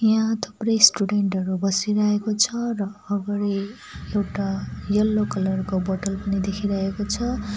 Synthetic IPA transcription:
jãt̪ʰu̥prʌjsʈuɖeɳʈʌɾubʌsiɾʌɦekot͡sʰʌrʌːɡʌɾi | ewʈajʌlːokʌlʌrkobʌʈʌlpʌnid̪ekʰiɾʌɦekot͡sʰʌ

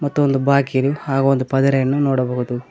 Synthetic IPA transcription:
mɐt̪ːuond̪ubaːkiɾuhaːɡɐond̪upɐd̪ɐɾɐjɐnːunoːɽɐbɐɣud̪u

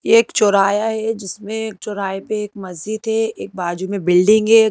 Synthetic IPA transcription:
jeːkt͡ʃoːɾaːjaɦɛd͡ʒɪsmẽːk̚t͡ʃoːɾaːepeeːkmɐzd͡ʒɪd̪ɦɛeːk̚baːd͡ʒumẽbɪlɖẽŋɡe

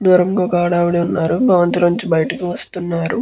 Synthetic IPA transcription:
d̪uːɾɐmɡaːkaːɽaːʋɐɽiunːaːɾubʱɐʋɐnt̪ɾɐɲt͡ʃibɐjɐʈɐkiʋɐst̪unːaːɾu

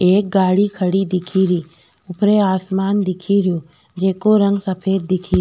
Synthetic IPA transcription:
eːk̚ɡaːɽikʰɐɽid̪ɪkʰiɾiː | ʊpɾeaːsmaːnd̪ɪkʰiɾɪjoː | d͡ʒeːkoɾə̃ŋɡsɐpʰeːɾd̪ɪkʰi

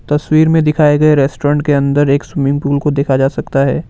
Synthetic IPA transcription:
t̪ɐswiːɾmẽd̪ɪkʰaːeɡɐeɾɛːsʈoːɾə̃ɳʈ̚keɐ̃nd̪əɾeːkswɪmɪ̃ŋɡ̚puːlkod̪eːkʰad͡ʒaːsɐkt̪aɦɛː

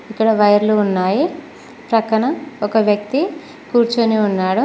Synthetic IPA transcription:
ikːɐɽɐʋɐjɐɾluunːaːji | pɾɐkɐɳɐɔkɐʋjɐkt̪i | kuːɾt͡ʃuniunːaːɽu

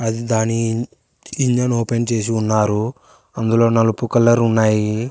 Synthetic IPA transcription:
ɐd̪id̪aːnːi | iɲd͡ʒɐnoːpent͡ʃe̞ːs̬iunːaːɾu | ɐnd̪ulo̞ːnɐlupukɐlːɐɾunːaːji

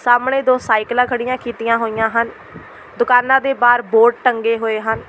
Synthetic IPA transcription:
saːmɳeːd̪oːsaːɪklãːkʰəɽɪjãːkiːt̪ɪjãːɦoːɪjãːɦən | d̪ʊkaːnãːd̪eːbaːɾboːʈ̚ʈəŋɡeːɦoːeːɦən

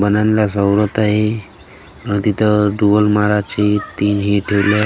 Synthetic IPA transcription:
bənanlasəwɾət̪aɦe | ə̃t̪it̪ʰəɖubəlmaɾat͡ɕet̪iːnɦiʈʰeʋlja

